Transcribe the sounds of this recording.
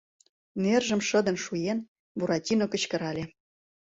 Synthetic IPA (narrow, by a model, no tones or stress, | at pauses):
nerʒə̆mʃə̆d̪ə̆nʃujen | buɾɑtʲinokə̆t͡ɕkə̆ɾɑlʲe